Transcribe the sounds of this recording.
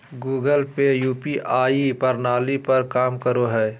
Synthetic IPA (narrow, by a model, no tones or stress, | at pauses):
ɡuːɡəlpejuːpiʔaːipɐɾnaːlipɐɾkaːmkəɾoɦɛː